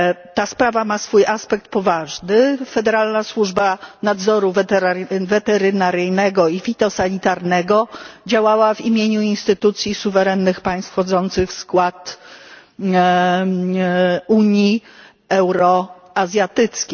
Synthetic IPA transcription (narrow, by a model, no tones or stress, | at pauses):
t̪aspɾavamasfujʔaspɛk̚t̪̚pɔvaʐnɘfɛd̪ɛɾalnaswuʐbanad̪zɔɾuvɾvɛt̪ɛɾɘnaɾɘjnɛɡɔifʲit̪ɔsaɲit̪aɾnɛɡɔd͡ʑawawavimʲjeɲuinst̪ɘt̪ut̪sʲjisuvɛɾɛnːɘxpaj̃st̪fxɔd̪zɔnt̪sɘxfskwat̪ | uɲji | ɛwɾɔ | azʲjat̪ɘt̪skʲe